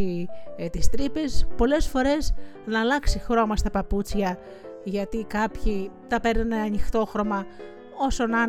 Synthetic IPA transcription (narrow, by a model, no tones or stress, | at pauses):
it̪ist̪ɾipespo̞le̞sfo̞ɾe̞snɐːlɐksixɾo̞mɐst̪ɐpɐput͡sçɐ | ʝɐt̪ikɐpçit̪ɐpeɾnineɐɲixt̪o̞xɾo̞mɐ | o̞so̞nɐ